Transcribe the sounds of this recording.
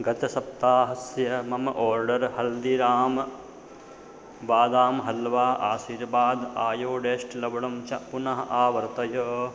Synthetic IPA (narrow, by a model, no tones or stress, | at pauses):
ɡɐt̪ɐsɐp̚t̪aːɦɐsjɐmɐmɐʔoːɾɖɐɾhɐld̪iɾaːm | ʋaːd̪aːmɦɐlʋaːʔaːʃiɾbaːd̪aːjoːɖeːʃʈlɐbɐɽɐmt͡ʃɐʔpunɐɦɐʔaːʋɐɾt̪ɐjɐː